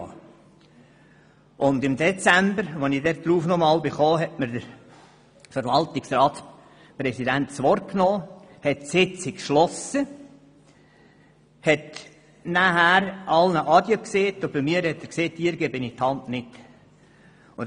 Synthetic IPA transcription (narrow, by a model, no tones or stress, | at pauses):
ʔʊnd̪ɪmd̪ɛt͡sæmbəɾʋonid̪ɛɾ̚dɾuːfnɔmɑːlbɪχoːɦɛtməɾdəɾ | fəɾʋɑltɪksrɑːt̪s | prɛsid̪æntsʋɔrt̚knɔːhɛtsɪt͡sɪkʃlɔsə | hɛt̪ | næɦæɾʔɑlnəʔɑd̪jəkseːt̪ʊb̥ɪmiːəɾhɛt̪ːəɾkseːt̪ːiəɾɡebɪnit̪hɑntnɪt | ʊ